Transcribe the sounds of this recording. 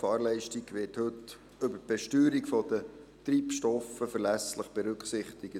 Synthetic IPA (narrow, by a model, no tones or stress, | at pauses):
fɑːɾlɛɪʃtiɡʋɪthɵt | ʏbəb̥ɛʃtyːɾikfɔd̥̪ət̪ɾiːpʃtɔfəfəɾlæsləχb̥ɛɾʉkχsɪχt̪ɪɡə